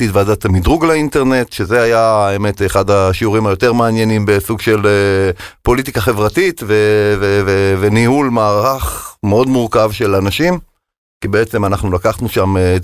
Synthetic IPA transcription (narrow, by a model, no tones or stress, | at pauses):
itvadat̪amidʁuɡleinteʁne̞t̪ʃezeajaeme̞t̪eχad̪aʃiuʁimajo̞t̪e̞ʁmeanje̞nimbe̞suɡʃe̞lepo̞lit̬ikaχe̞vʁatitvevevevenihulmaːʁʁaχmeo̞d̪muʁkavʃe̞lanaʃim | kibeet͡se̞manaχnulakaχnuʃame